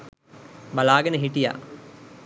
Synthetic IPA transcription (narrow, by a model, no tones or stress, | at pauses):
balaːɡənəɦiʈija̰